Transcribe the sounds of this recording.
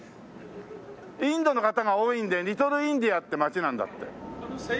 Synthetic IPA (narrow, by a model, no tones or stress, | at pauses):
ĩnd̪o̞no̞kat̪aɡaoĩnd̪eɾʲit̪o̞ɾɯĩnd̪iat̪ːe̞mat͡ɕinãnd̪a̰t̪ːe̞̰